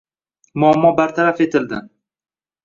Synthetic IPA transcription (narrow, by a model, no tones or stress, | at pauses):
mʊamːɒbaɾt̪ʰaɾafe̞t̪ʰɪld̪ɪ